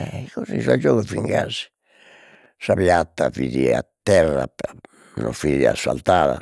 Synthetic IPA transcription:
ɛkozisad͡ʒɔːɣofiŋɡazi̥ | sapjat̪ːaviðiat̪ːɛrːapa | no̰ɱfiia̰sːalt̪aːða

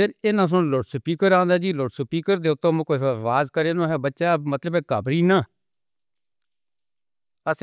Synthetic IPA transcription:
eɾeːnãːs̬ʊnloːʈsəpiːkəɾãːnd̪aːd͡ʒiːloːʈsəpiːkəɾd̪eːʊt̪ːõːm̃ːkoʋaːzkəɾeːnõːɦɛːbətːʃaːmət̪ləbɛːkabɾiːnãː | əs

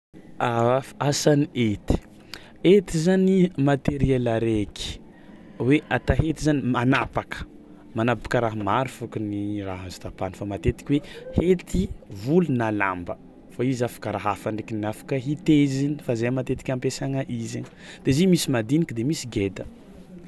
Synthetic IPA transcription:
aasaniet̪i̥ | et̪izanimat̪eɾielaɾekʰi̥ | weʔat̪aɦet̪izanimanapakə̥ | manapḁkəɾaɦamaɾufukuniraɦazu̥t̪apanifamat̪et̪i̥kʲiwehet̪ivulunala̰mbə | faizafḁkəɾaɦafaɳekiniafḁkəɦit̪ezinifazejmat̪et̪i̥kʲampesaŋəʔize | d̪̥ezimisimad̪inikəd̪emisiɡed̪ə

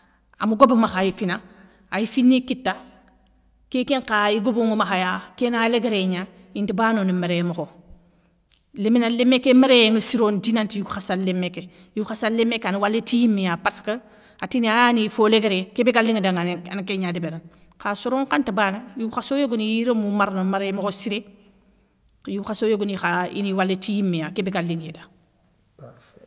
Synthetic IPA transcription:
a̰muɡobɐmaxajifina | ajifinːikitːa | kekeŋkaiɡoboŋomaxajakenaleɡeɾeɲa | intibaːnonimeɾemoxo | leminalemːekːemeɾeŋəsiɾoːndinantjuɡxasalːemːeke | juxasalːemːekːanuwalːetijimːijapaskə | atinianifoleɡeɾekebeɡalːiŋedaŋankeɲadebeɾa | kasoɾoŋkantɐbanɐjuxasojoɡonijiɾomumaɾnomaɾemokosiɾe | juxasojoɡonixaḭniwalːetijimːejakebeɡalːiŋjeda

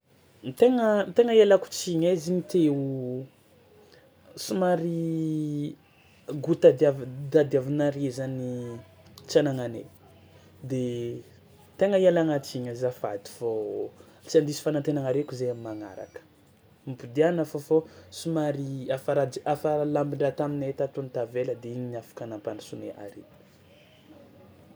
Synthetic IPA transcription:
t̪eŋət̪eŋəielaku̥t͡siɲaziɲit̪eu | sumaɾi | ɡut̪ad̪avd̪ad̪iavinaɾezani | t͡sanaŋanḛ | d̪e | t̪eŋəialaŋat͡s̪iɲəzafa̰d̪i̥vo | t͡siand̪isi̥fanant̪enaŋaɾekʲuzejamimaŋa̰ɾa̰kə̥ | mipud̪ianafofosumaɾiafaɾad̪iafaalambiɳɖ͡ʐat̪aminet̪at̪unt̪aveləd̪eiɲinafḁkanampanisuneʔa̰ɾe̥

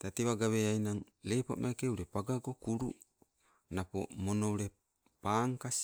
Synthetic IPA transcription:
t̪at̪iwaɡaweainaŋ | lepoʔmʔakeulepaɡaɡokuɾṵʔ | napo̰ʔmonoule | paŋkas

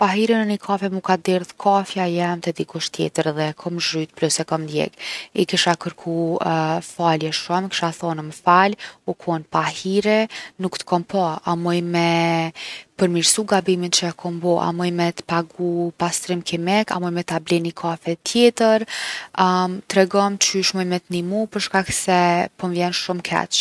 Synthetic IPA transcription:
paɦiɾinənikʰafɛmukad̪iɾðkʰafjajɛmt̪ɛd̪ikuʃt̪jɛ̰t̪əɾðɛkʰɔmʒɾyt̪̚plusɛkɔmnd̪jɛ̰ɡikiʃakəɾkʰu | faljɛʃumki̥ʃaθɔnməfalukʰɔnpahiɾɛnukt̪ə̥kʰɔmpɔamɔjmɛ | pəɾmiɾsuɡabimint͡ʃəakʰɔmbɔʔa̰mɔjmɛt̪paɡupast̪ɾimkimɛka̰mɔjmɛt̪ablɛnikʰafɛt̪jɛt̪əɾ | t̪ɾɛɡɔmt͡ʃyʃmɔjmɛt̪nimupəɾʃkaksɛpɔmvjɛnʃumkʰɛ̰t͡ʃ

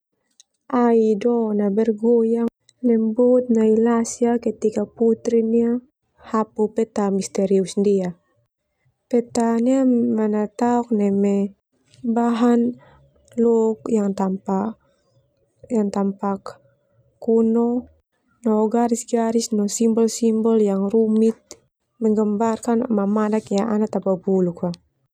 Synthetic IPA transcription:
ʔaidɔnabɛrɡuja | lɛmbut̪̚nailasiaket̪ikaput̪ɾinia | hapupɛt̪amist̪ɛɾiusndia | pɛt̪aniamanat̪auk̚nɛmɛ | baɦan | lɔk̚jaŋt̪ampa | jaŋt̪ampak | kːunɔ | nɔɡaɾisɡaɾisnɔsimbɔlsimbɔljaŋrumit̪̚ | mɛŋɡəmbarkanmamanakjaŋanat̪ababuluka

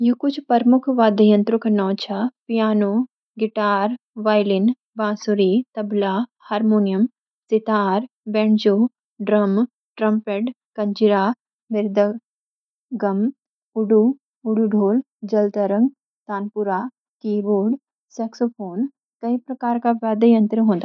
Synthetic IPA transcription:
jukʊt͡ʃʰpɐɾmʊkʰʋaːd̪əjɐ̃nt̪ɾʊkʰnɔːt͡ʃʰɐpijaːnoː | ɡɪʈaːɾ | ʋaːjlɪn | bãːsuɾit̪ɐblaːhaːɾmoːnijɐm | sɪt̪aːɾ | bɛɳd͡ʒoː | ɖɾɐm | ʈɾɐmpeːʈ | kɐɲd͡ʒɪɾaː | ʋɪɾd̪ə | ɡɐm | ʊɖu | ʊɽuɖʱoːl | d͡ʒɐlt̪əɾə̃ŋɡ | t̪aːnpʊɾaː | kiːboːɖ | sɛːksopʰoːn | kɐipɾɐkaːɾkaʋaːd̪əjə̃nt̪ɾəɦõːnd̪a

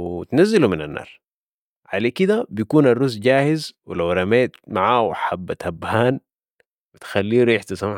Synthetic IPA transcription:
t̪nazːiluminanːɑ̰ːɾˤ | ʕalekid̪abijkuːnarˤːusɟaːhɪzwilawɾˤɑmeːt̪maʕaːwaħabːat̪habːhaːn | bit̪xalːiːlujɪħt̪ɑsˤɑm

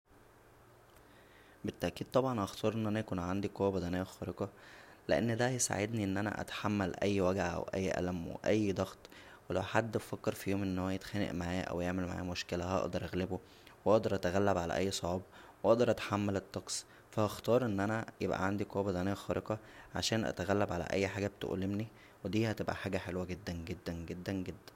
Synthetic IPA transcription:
bet̪ːæʔkiːd̪̚t̪ˤɑbʕɑnʔɑxt̪ʰɑːɾʔenːʔænæjækuːnʕand̪iqowːæbæd̪ænæːæxɑːɾeqɑleʔḛnːd̪æjesa̰ʕed̪niʔenːʔænæ̰ʔæ̰t̪ḁħamːælʔæjːwæɡʕaʔæ̰wʔæ̰jːʔæ̰læmwḛʔæjːd̪ˤɑɣt̪ˤwelæwħad̪ːofækːeɾfiːhomʔeenːhowæjet̪xænḛʔmaʕæːʔæ̰wjeʕmelmaʕa̰ːmoʃkelæhʔɑ̰ʔd̪ɑɾˤʔæɣlebo | wʔɑʔd̪ˤɑɾˤʔæt̪æɣælːæbʕalæ̰ʔæjːsˤoʕɑːb | weʔɑʔd̪ɑɾˤʔæt̪ħamːælet̪ˤːɑqsˤ | fæhɑxt̪ɑːɾˤʔenːʔænæjebʔæ̰ʕand̪ikɑːbezænæxɑːɾˤeqɑʕa̰ʃæːnʔæ̰t̪æɣælːæbʕalæ̰ʔæ̰jːħaːɡæb̚t̪ʔo̰lemni | wed̪iːhæt̪ebʔæ̰ħaːɡæħelwæɡed̪ːænɡed̪ːænɡed̪ːænɡed̪ːæn

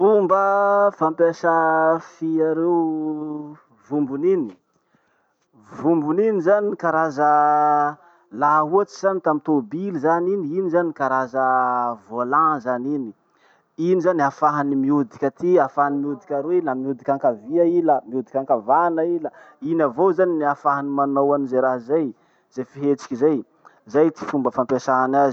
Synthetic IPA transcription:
umbəfampeʃəfiaɾew | vumbunini̥ | vumbuninizanikaɾazə | laɦuat͡ʃi̥z̥anit̪amit̪obilizaniniinizanikaɾazəvolãzanini | inizaniafaɦanimiud̪ikʲət̪iafaɦanimiud̪ikʲaɾuenamiud̪ikʲãŋkaviailəmiud̪ikʲaŋkavanailə | inavozaniniafaɦanimanowanizajɾaɦzaj | z̥ajfiɦet͡ʃi̥kʲizaj | zajt̪i̥fumbəfampasaanaz

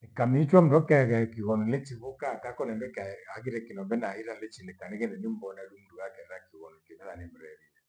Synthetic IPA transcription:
ekamit͡ʃwam̩ɾɔkɛɣɛkiɣɔnɔlet͡ʃiβokatakɔnɛndwɛkaaɣiɾɛkinɔdɛnaiɾalet͡ʃilekaneɣɛndɛnimbɔnaɾumuduwakɛɾɛɾakiɣɔnɔkeβɛðanem̩ɾɛɾiɛ

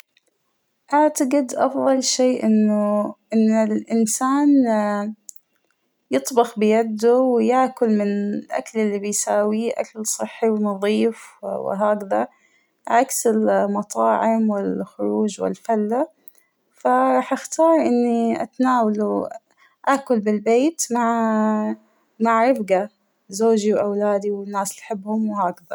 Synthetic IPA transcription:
ʔaʕt̪aɡɪd̪ʔɑfðˤɑlʃeːʔɪnːʊʔɪnːɪlʔɪnsaːn | jɨt̪ˤbɑxbɪjad̪ːʊwɪjaʕkʊlmɪnlʔa̰klɪlːibɪjsaːwiʔa̰kalsˤɨħːiwɪnɑðˤiːfwɪ̰ɦaːkða | ʕaksɪlmɑt̪ˤɑːʕɪmwɪlxʊɾˤuːd͡ʒwɪ̰lfalːa | faɾˤɑːħʔaxt̪ɑːɾˤʔɪnːiʔa̰t̪naːwalu | ʔaʔkʊlbɪlbeːt̪maʕ | maʕɾɪfɡa | zoːd͡ʒiwʔawlaːd̪iwɪnːaːslħɪbːhʊmwhaːkða̰

